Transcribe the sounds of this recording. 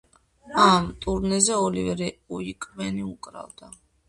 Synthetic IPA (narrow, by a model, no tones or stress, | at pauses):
amt̪ʼuɾnɛzɛɔlivɛɾɛuikʼvɛniukʼɾa̰vd̪̥a